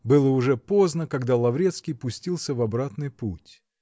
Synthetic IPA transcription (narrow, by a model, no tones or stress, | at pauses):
bɨlˠəʊʐɛpo̞znəkɐɡd̪alˠɐvɾʲet̪skʲɪjpʊsʲtʲilˠsʲəvɐbɾat̪nɨjputʲ